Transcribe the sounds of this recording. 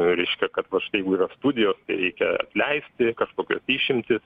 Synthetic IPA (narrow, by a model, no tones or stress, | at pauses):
ɾʲɛɪʃʲkʲɛkɐt̪ʋɐʃɪt̪ɐjɛɪɡʊiːrɐst̪uːd̪ʲɪjoːst̪ɐɪɾʲɛɪkʲɛɐ̰t̪ʲlʲɛɪsʲt̪ʲɪkɐʃkoːkʲo̰siːʃʲɪmʲt̪ʲɪs